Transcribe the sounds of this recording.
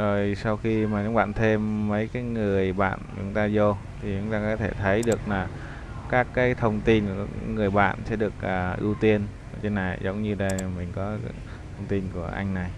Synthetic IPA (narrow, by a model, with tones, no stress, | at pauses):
zo˨˩jsa˧wxi˧maː˨˩ɲa˨˦˥ŋ͡m̚ɓa̰ː˧˨nt̪ʰe˧mːə˨˦jkaː˨˦jŋɨ˨˩əjɓa̰ː˧˨nt͡ɕʊ̰˨˦ŋ͡mt̪aː˧zo˧ | t̪ʰi˨˩t͡ɕʊ̰˨˧˦ŋ͡mt̪aː˧kɔ˨˦t̪ʰe˧˩t̪ʰə˨˦jɗɨ˨˩ək̚laː˨˩ | kaː˦˥kːaː˨˦jt̪ʰə˧wŋ͡mt̪i˧nku˧˩˧ŋɨ˨˩əjɓa̰ː˧˨nsɛ̰˧˥ɗɨ˨˩ək̚ʔəː˨˩ʔɨ̰˧wt̪i˧ən˧˩ | t͡ɕe˧nːa˨˩jzə˨˦wŋ͡mɲɨ˧ɗə˧jmï˨˩ŋ̟kɔ˨˦ | tt̪ʰə˧wŋ͡mt̪i˧nku˧˩əʔa˧jŋ̟na˨˩j